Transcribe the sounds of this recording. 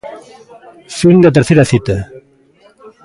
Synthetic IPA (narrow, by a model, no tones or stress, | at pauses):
sund̪at̪̬eɾθeɾaθit̪a